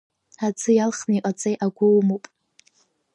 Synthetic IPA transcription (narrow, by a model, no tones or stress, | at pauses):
at͡sʰʼɨjalχnaiqʼat͡sʼejʔaɡʷʊlmowpʼ